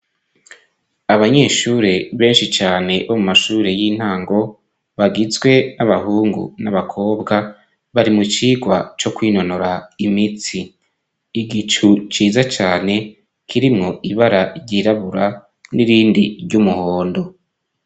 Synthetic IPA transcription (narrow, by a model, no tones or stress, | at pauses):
aβaɲe̞ːʃuːɾe̞βe̞ːnʃit͡ʃaːne̞βomumaʃuːɾe̞jin̥haːŋɡo̞ | βaɡizɡwe̞naβahuːŋɡṵnaβakʰo̞ːbɡa | βaɾimut͡ʃiːɡwat͡ʃo̞kwiːno̞no̞ɾaimit͡siː | ɡit͡ʃut͡ʃiːzat͡ʃaːne̞ | kʰiɾimŋo̞ʔiβaɾaɾɟiɾaβuɾa | niɾiːndiɾɟumuhoːndo̞